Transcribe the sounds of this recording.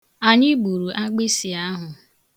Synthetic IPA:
a˨ɲɪ˦ɡ͡bu˨ɾu˨ʔa˦ɡ͡be˦si˨a˦ɦʊ˨

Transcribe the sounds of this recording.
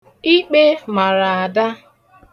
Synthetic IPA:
i˦k͡pe˦ma˨ɾa˨a˨da˦

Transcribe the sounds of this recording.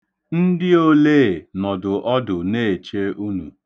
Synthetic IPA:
n̩˦dɪ˦o˦le˦˨nɔ˨dʊ˨ʔɔ˦dʊ˨ne˦˨e˨t͡ʃe˦u˦nṵ˨

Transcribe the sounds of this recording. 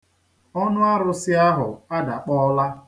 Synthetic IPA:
ɔ˦nʊ˦a˦ɾʊ˦sɪ˦a˦ɦʊ˨a˦da˨k͡pɔ˦la˦

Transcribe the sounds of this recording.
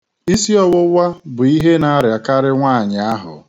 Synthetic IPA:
i˦si˦ɔ˦wʊ˦wa˦bʊ˨i˦ɦe˦na˦ɾja˨ka˦ɾɪ˦ŋʷaː˦˨ɲɪ˨a˦ɦʊ̰˨

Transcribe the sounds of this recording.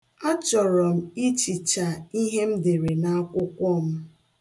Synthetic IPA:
a˦t͡ʃɔ˨ɾɔ˨m̩˦i˦t͡ʃi˨t͡ʃa˨i˦ɦe˦m̩˦de˨ɾe˨na˦a˦kʷʊ˦kʷɔ˦m̩˦

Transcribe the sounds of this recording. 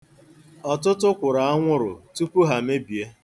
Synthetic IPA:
ɔ˨tʊ˦tʊ˦kʷʊ˨ɾa˨a˦ŋʷʊ˦ɾʊ̰˨tu˦pu˦ɦa˨me˦bi˨e˦

